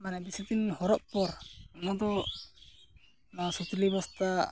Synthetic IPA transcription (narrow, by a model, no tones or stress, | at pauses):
manɛbisut̪inhɔɾɔʔ̚pɔɾnad̪ɔ | nasut̪libɔst̪a